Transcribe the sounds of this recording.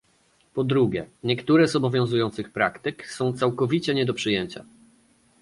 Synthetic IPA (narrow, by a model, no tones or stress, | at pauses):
pɔd̪ɾuɡʲjɛ̰ɲɛkt̪uɾɛzɔbɔvʲjɔ̃w̃zujɔ̃nt̪sɘxpɾakt̪ɘksɔ̃w̃t̪sawkɔvʲit͡ɕɛɲɛd̪ɔpʂɘjɛɲt͡ɕa̰